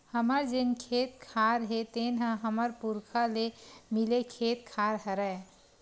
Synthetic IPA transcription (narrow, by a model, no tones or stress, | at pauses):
həməɾd͡ʒenkʰeːt̪kʰaɾɦet̪eːnɦə̃ɦəməɾpuɾkʰalemilekʰeːt̪̚kʰaɾɦəɾəe